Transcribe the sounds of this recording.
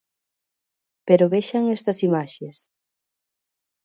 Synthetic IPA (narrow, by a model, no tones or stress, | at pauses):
peɾoβeʃaŋest̪ɐsimaʃes